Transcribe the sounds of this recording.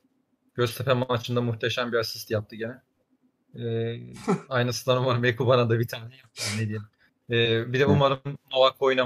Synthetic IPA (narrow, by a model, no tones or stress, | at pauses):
ɟ̥øzt̪ʰepʰɛmamat͡ʃʰɯnd̪amuxt̪ʰeʃæmbiasi̥st̪ijap̚t̪ʰɯɟenɛ | ɛː | ajnɯsɯnd̪anumaɾɯmekubanad̪abit̪ʰaːnɛjap̪̚janned̪ijelʲim | ɛːbid̪ɛumaɾɯmːovakʰːo̞jna